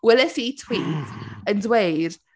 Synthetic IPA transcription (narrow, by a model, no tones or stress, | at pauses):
wɛlɛsitʰw̥iːθəndwejr